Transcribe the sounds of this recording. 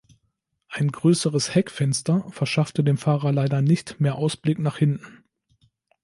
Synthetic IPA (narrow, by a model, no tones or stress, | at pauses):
ʔaɪnɡʁøːsəʁəshɛkfɛnstɐfɛɐʃaftədeːmfaːʁɐlaɪdɐnɪçtmeːɐʔaʊsb̥lɪknaːχhɪntn̩